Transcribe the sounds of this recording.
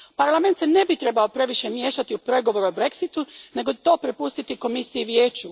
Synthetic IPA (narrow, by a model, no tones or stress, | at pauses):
paɾlˠame̞nt̪sene̞bit̪ɾe̞bao̞pɾe̞ʋiʃemje̞ːʃat̪iupɾe̞ɡo̞ʋo̞ɾuobɾe̞ksit̪une̞ɡo̞t̪o̞ːpɾepust̪it̪iko̞misijiʋjeːt͡ɕu